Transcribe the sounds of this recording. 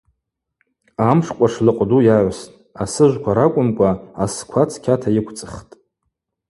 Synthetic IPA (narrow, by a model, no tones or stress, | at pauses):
amʂkʷʼaʂlɨqʷʼdujaʕʷastʼasɨʒʷkʷʰaɾakʷʼʊmkʷʼaːskʷʰat͡sʰkʲʰatʰajɪkʷʰt͡sʼɨχtʼ